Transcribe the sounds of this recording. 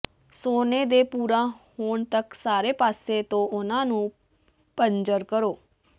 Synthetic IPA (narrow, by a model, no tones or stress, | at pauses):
soːneːd̪eːpuːɾãːhoːɳt̪əksaːɾeːpaːseːt̪õːʊnãːnũː | pənd͡ʒəɾkəɾoː